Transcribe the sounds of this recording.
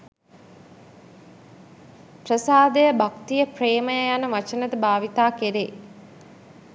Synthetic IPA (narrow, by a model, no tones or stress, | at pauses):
prəsaːd̪əjəbakt̪ijəpreːməjəjanəʋat͡ʃənət̪əbaːʋit̪aːkeɾe